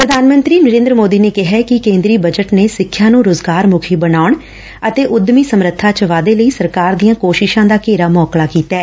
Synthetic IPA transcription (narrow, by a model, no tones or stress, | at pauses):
pɾəd̪ʱaːnmə̃nt̪ɾiːnəɾẽːnd̪ɾəmoːd̪iːneːkɪɦɛːkɪkẽːnd̪ɾiːbəd͡ʒəʈneːsɪkʰːjãːnũːɾoːzɡaːɾmʊkʰiːbənaːʊɳ | ət̪eːʔʊd̪miːsəmɾət̪ʰːaːt͡ʃəʋaːd̪eːləiːsəɾkaːɾd̪ijãːkoːʃɪʃãːd̪aːkeːɾaːmɔːklaːkiːt̪ɛː